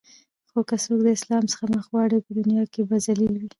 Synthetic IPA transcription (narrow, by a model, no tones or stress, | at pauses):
xokəsok̚d̪əɪslɑmsə̥xaməxwɑɽipəd̪ʊnjɑkebazalilwi